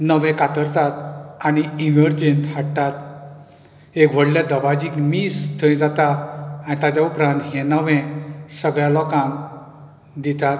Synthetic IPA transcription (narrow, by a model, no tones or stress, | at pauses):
nəʋɛ̃kat̪əɾt̪at̪añiiməɾd͡ʑent̪haɽt̪at̪̚ | ekʋ̤əɽlad̪əbad͡ʑiːkmist̪ʰə̃ĩd͡zat̪aañit̪at͡ɕaupɾãnt̪ɦẽnəʋɛ̃səɡɭjalɔkam | d̪it̪at̪̚